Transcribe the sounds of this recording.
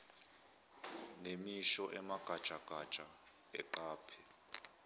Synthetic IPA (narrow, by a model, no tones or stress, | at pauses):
nemiʃɔʔɛmaɡ̥ʱad̥t͡ʃʼaɡ̥ʱad̥t͡ʃʼa | ɛ̰ǃaːpʰɛ